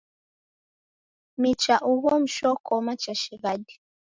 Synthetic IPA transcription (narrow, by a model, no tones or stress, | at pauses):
mit͡ʃaʔuɣɔm̩ʃɔkʰɔmat͡ʃaʃiɣadi̥